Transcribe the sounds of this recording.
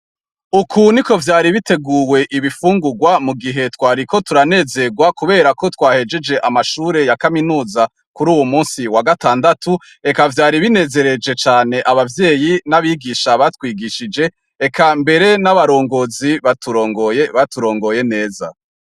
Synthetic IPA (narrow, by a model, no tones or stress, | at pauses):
ukʰuniko̞vjaːɾiβite̞ɡuːwe̞ʔiβifuːŋɡuɡwamuɡiɦe̞twaːɾiko̞tuɾane̞ːze̞ɡwakuβe̞ːɾako̞twaːhe̞d͡ʒe̞d͡ʒe̞ʔamaʃuːɾe̞jakaminuːza | kuɾuːwumuːnsiwaɡataːndatu | e̞kavjaːɾiβine̞ːze̞ɾe̞d͡ʒe̞t͡ʃaːne̞ʔaβavje̞ːjinaβiɡiʃaβatwiːɡiʃid͡ʒe̞ | ekʰambe̞ɾe̞naβaɾo̞ːŋɡo̞ziβatuɾo̞ːŋɡojeβatuɾo̞ːŋɡo̞je̞ne̞ːza̰